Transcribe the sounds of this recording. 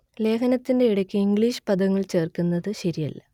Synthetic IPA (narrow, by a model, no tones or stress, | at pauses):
le̞ːkʰɐnɐt̪ːinde̞iɽɐkʲːɨiŋɡɭiːɕɨ̥pɐd̪ɐŋːɐɭt͡ɕe̞ːrkunːɐðɨɕɐɾijɐ̰lːɐ̰